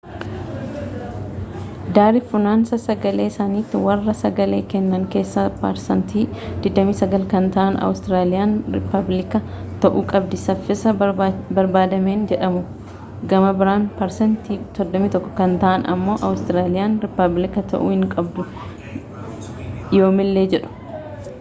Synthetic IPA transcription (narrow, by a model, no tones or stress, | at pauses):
d̪aːɾɪfʊnaːnsɐsɐɡɐle̞ːɪsaːniːt̪ːɪwɐrːɐsɐɡɐle̞ːkɛnːɐŋke̞ːsːɐpa̰ɾsɐnt̪iːd̪̥ɪd̪ɐmiːsɐɡɐlkɐnt̪ɐʔɐnɐ̰wʊst̪ɪɾaːlɪjaːnɾɪ̰pːɐblɪkɐ | t̪ɐʔuːkʼɐbd̪ɪsɐfːɪsɐbɐɾbaːd̪ɐme̞ːnd͡ʒɛᶑɐmʊ | ɡɐmɐbɪɾaːnpɐɾsɐnt̪iːsɔd̪ːɔmiːt̪ɔkːɔ̥kɐnt̪ɐʔɐnɐ̰mːo̞ːʔɐwʊst̪ɪɾaːlɪjaːnɾɪpːɐblɪkɐt̪ʰɐ̰ʔṵːhɪŋkʼɐbd̪ʊ | jo̞ːmɪlːe̞ːd͡ʒɛᶑʊ̥